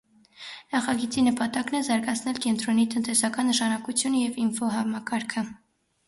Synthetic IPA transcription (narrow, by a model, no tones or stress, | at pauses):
nɑχɑɡit͡sinəpɑt̪ɑknɛzɑɾɡɑt͡sʰnɛlkɛnt̪ɾɔnit̪ənt̪ɛsɑkɑnnːəʃɑnɑkut͡sʰjunəjɛvinfɔɦɑmɑkɑɾkʰə